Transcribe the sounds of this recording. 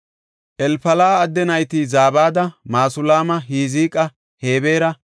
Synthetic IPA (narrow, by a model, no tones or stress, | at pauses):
ʔɛlfɐlaːd̪ːɛnɐjt̪izaːbaːd̪ɐmaːsʊlaːmɐɦiːziːkʼɐ | he̞ːbeːɾɐ